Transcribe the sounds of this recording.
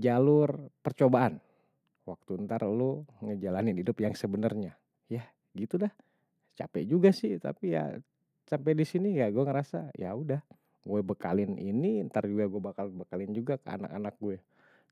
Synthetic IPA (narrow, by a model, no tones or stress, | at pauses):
d͡ʒalʊrpərt͡ʃobaʔan | wak̚t̪uənt̪arluŋəd͡ʒalanɪnhidʊpjaŋsəbənərɲa | jah | ɡit̪ulah | t͡ʃa̰pɛ̰d͡ʒuɡasɪht̪a̰pija̰ | sampɛdisinijaɡuɛŋəɾasa̰ja̰udah | ɡuɛbəka̰lɪnʔḭniənt̪ard͡ʒuɡaɡuɛbakalbəkalɪnd͡ʒuɡakəa̰na̰ka̰nak̚ɡuɛ